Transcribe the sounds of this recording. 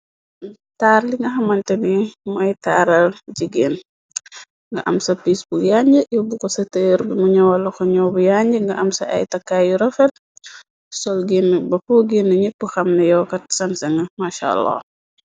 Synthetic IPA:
taːɾliŋɡɐɦɐmɐntɛnimɐjtaːɾɐld͡ʒiɡeːn | ŋɡɐʔɐmsɐpisbukjaɲɟəjubukɔsɐtəjɾbimuɲɐwɐlɐkɔɲɔːbujaɲɟəŋɡɐʔɐmsɐ̰ʔɐ̰jtɐkːaːjuɾɐfɛt̚ | sɔlɡinːɐbɐpɔɡinːɐɲipːuxɐmnɐjɔːkɐtsɐnsɐŋɡɐmaʃa̰lːa̰

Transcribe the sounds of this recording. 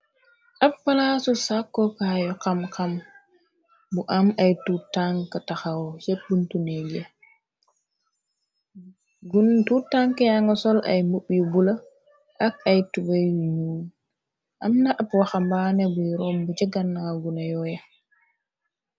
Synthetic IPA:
ʔapːalasusakːɔkajɔkamkam | buʔamajtutaŋkataxawɔt͡ʃep̚ɡuntunɛɡɛ | ɡuntutːaŋkajaŋɡasɔlʔa̰jmuɓjubula | ʔakajtubajuɲuːn | ʔa̰mnaʔapwaxambanɛbujɾɔmbud͡ʒɛɡanːaɡunajɔja

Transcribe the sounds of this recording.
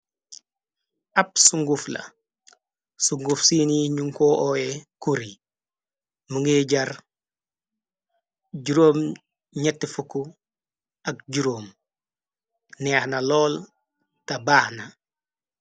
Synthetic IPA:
ɐp̚suŋɡuflɐ̰ | suŋɡufsiːniɲuŋkoːʔɔːekuɾi | məŋɡeːɟɐɾ | ɟuɾoːm | ɲɛtːefuku | ɐk̚ɟuɾoːm | nɛːxnɐlɔːl | tɐbaːhnɐ

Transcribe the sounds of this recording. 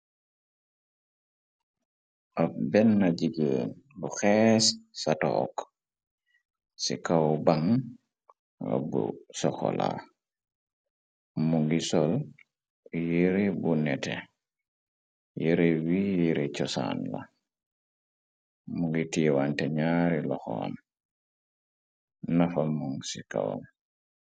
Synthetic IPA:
ʔabɛnːad͡ʒiɡeːnluxɛssatɔ̰ːk | sḭkawbaŋ | a̰bṵsɔkɔ̰la̰ | muŋɡisɔl | jiɾibunɛtɛ | jeɾewijiɾit͡ʃɔsa̰nla̰ | muŋɡitiwantɛɲaɾilɔxɔa̰m | nafamːuŋsikawa̰m

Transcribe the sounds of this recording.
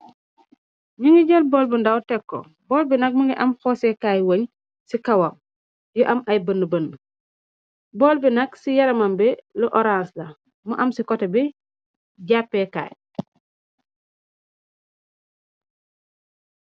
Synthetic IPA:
ɲiŋɡiɟɐlboːlbəndawtɛkːo̰ | bɔːlbinɐk̚muŋɡiʔɐmxoːsɛkaːjwoɲ | sikawam | jɔʔɐmʔɐjbənːəbənː | bolbinɐksijɐɾɐmambɛluʔoɾanslɐ | muʔɐmsikɔtebi | ɟapːɛka̰ːj

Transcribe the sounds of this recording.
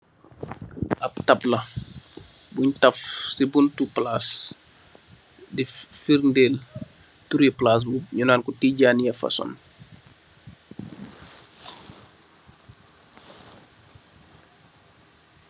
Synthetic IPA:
ʔɐp̚tɐplɐ | buɲtɐfsibuntuplas | difirndeːl | tuɾiplas̬ɲunaːnkutiːɟaːnjɐfɐ̰sɔ̰n

